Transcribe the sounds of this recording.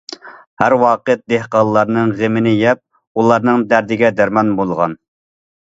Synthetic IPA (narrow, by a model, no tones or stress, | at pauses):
hæɾwɑːqət̪̚d̪ehqɑlˠlːˠɑɾnɨŋʁemɪnɪjɛp̚ | ulˠɑɾnɨŋd̪æɾd̪ɪɡʲɛd̪æɾmɑnbolˠʁɑ̰n